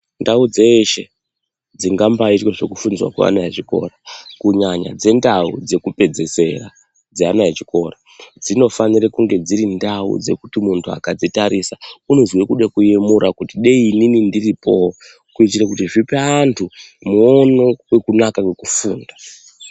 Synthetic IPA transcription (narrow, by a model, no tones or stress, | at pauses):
ndaud͡ze̞ʃe̞̰ | d͡ziŋɡambaitweʐe̞kufunziwa̰kwa̰a̰naet͡ʃiko̞̰rakuɲaɲa̰d͡ze̞ndaṵd͡ze̞kupe̞d͡ze̞se̞̰ra̰ | d͡zeanaet͡ʃiko̞ra | d͡zino̞fanirekuŋɡe̞d͡ziɾindaṵd͡ze̞̰kutimuntʰua̰kad͡zitaɾʔisaunozwekuɗekujemuɾakutiɗeiininindiripo̞ | kuit͡ʃirekutiʐipeantʰumuono̞we̞kunakawe̞kufuːnda